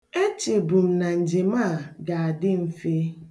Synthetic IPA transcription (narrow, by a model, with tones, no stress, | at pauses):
e˦t͡ʃe˨bu˨m̩˨na˨n̩˨d͡ʒe˨ma˦˨ɡa˨a˨dɪ˦m̩˦fe˦